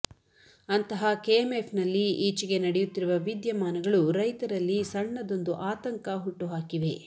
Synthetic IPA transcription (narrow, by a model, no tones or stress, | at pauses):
ɐnt̪ɐɦɐkeemepʰnɐlːiiːt͡ʃiɡe̞nɐɽɛjut̪ːiɾuʋɐʋid̪jɐmaːnɐɡɐɭuɾɐjt̪ɐɾɐlːisɐɳːɐd̪o̞nd̪uʔaːt̪ɐŋkɐɦuʈːuɦaːkiʋe̞